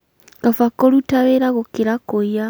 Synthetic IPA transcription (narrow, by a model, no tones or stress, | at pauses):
ɡafakolutaβeɾaɣokiɾakoja